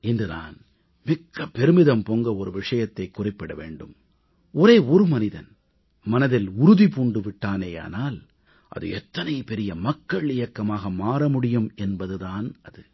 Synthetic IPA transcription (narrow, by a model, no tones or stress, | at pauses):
ɪndrɯða̰ːn | mɪkːɐpːɛɾɯmɪðɐmpoŋɡɐɔɾɯʋɪʂɐjɐt̪ːɐɪkːʊrɪpːɛɽɐʋḛːɳɖɯm | ɔɾeːɔɾɯmɐnɪðɐn | mɐnɐðɪlʊɾʊðipuːɳɖɯʋɪʈːaːneːja̰ːnaːl | ʔɐ̰ðɯ̰ɛt̪ːɐnɐɪpɛɾɪjɐmɐkːɐɭɪjɐkːɐmaːɣɐmaːɾɐmʊɽɪjɯmɛnbɐðɯðaːnɐðɯ